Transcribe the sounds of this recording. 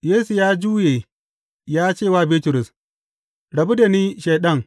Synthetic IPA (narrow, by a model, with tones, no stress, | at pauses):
jeː˦su˨jaː˦d͡ʒuː˦jeː˨ | jaː˦t͡ʃeː˦˨waː˦biː˦tʊ˨ɾʊ˨s | ɽɐ˨bu˦da˨niː˦ʃeː˨ɗɐ˦˨ŋ